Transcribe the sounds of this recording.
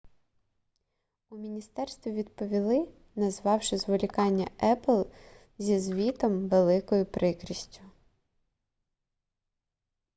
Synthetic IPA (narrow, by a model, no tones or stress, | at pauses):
umʲinʲist̪ɛrst̪ʋʲiʋʲid̪pɔʋʲilˠɪ | nɐzʋɑwʃɪzʋɔlʲikɑnʲːɐɛplˠ | zʲizʋʲit̪ɔmʋelˠɪkɔjʊpɾʔɪkɾʲisʲtʲʊ̥